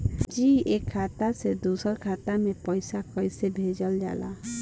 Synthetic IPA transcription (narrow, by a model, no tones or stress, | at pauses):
d͡ʒiekʰːat̪ased̪usɔɾkʰat̪amepɔjsakɔjsebʱed͡ʒɔld͡ʒa̰la